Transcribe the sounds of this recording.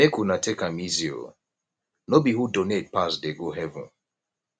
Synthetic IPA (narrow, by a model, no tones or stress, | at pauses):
nekunatʰekamizio̰ | nobihudonet̚pasdeɡoɦɛvṵ̃n